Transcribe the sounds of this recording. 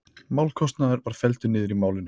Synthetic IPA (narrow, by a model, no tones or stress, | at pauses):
maːwlkʰɔst̪naðʏɾvaɾ̥fɛlt̪ʏnɪːðʏɾimaːwlɪnʏ